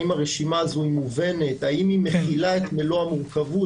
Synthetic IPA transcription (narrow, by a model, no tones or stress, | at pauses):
imaʁeʃimaːzuimuve̞ne̞t̪aimime̞χilaet̪meloamuʁkavu